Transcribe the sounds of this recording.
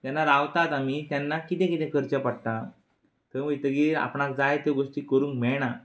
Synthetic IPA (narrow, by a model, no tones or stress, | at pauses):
t̪janːaɾaʋt̪at̪amit̪janːakit̪ɛ̃kit̪ɛ̃kəɾt͡ɕapaɽt̪a | t̪əmət̪əɡiːa̰pɳak̚d͡zajt̪eɡoʂʈiːkəɾũːŋkmɛɭɳ̃a